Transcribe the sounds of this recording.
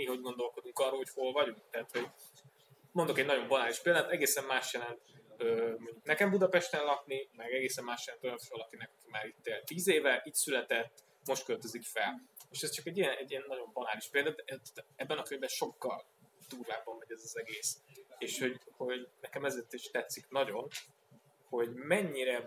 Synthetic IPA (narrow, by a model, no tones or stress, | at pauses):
miɦo̞ɟɡo̞nd̪o̞lko̞d̪uŋkɒrːoːlɦo̞cho̞lvɒɟuŋk̚t̪ɛɦːt̪ho̞ɟ | mond̪okɛɟnɒɟo̞mbɒnaːliʃpeːld̪at̪ɛɡeːsɛmmaːʃjɛlɛnt̪øːmo̞ɲɟuknɛkɛmbud̪ɒpɛʃt̪ɛnlɒknimɛɡɛɡeːsɛmːaːʃjɛlɛnt̪o̞jɒɱfɒlɒkinɛkɒkimaːɾit̪ːeːlt̪ːiːzeːvɛʔiːcsylɛt̪ɛt̪ː | moʃt̪kølt̪øzikfɛleːʃɛst͡ʃɒkɛɟːijɛnɛɟːiɛnːɒɟo̞mbɒnaːliʃpeːld̪at̪ɛʔɛt̪t̪ɛbːɛnɒkøɲbɛnʃo̞kːɒl | d̪̥uːrvaːbɒmːɛɟɛzɒzɛɡeːseːʃho̞ɟho̞ɟnɛkɛmɛzeːrt̪iʃt̪ɛt̪siknɒɟo̞n | ho̞ɟmɛɲːiɾɛ